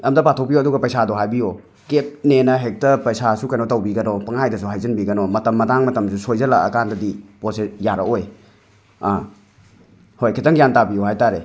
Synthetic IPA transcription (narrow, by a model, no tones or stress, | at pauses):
ɐmdɐpatʰokpioɐduɡɐpɐjsadoɦajbio | kep̚nenɐɦek̚tɐpɐjsasukɐjnotɐwbiɡɐnopɐŋajdɐsuɦajzɐnbiɡɐnomɐtɐmːɐtaŋmɐtɐmsusojzɐlaɐkandɐdiposesjaɾɐoj | a | hojkʰitɐŋjantabiohajtaɾe